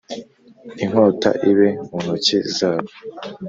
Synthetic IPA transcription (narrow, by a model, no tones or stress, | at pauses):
iŋ̥hoːta̰ʔiβemunucizaːβo